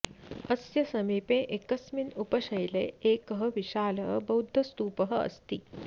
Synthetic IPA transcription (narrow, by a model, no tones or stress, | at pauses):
əsjɐsɐmiːpẽʔekəsminupəɕɐjlḛekəɦəʋiɕaləbəud̪ʱːəst̪uːpəɦəə̰st̪iː